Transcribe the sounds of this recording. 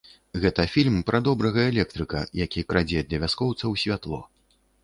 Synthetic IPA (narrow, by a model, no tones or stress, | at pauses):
ɣɛt̪ɐfʲilʲmpɾʔɐd̪ɔbɾɐɣɐɛlʲɛk̚t̪ɾɨkɐ̰jakʲikɾad͡zʲɛd̪lʲɐvʲaskɔwt̪sɐwsʲvʲat̪lˠɔ̰